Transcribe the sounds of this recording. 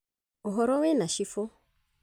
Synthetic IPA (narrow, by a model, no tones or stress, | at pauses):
oɦɔɾɔwɛnaʃifo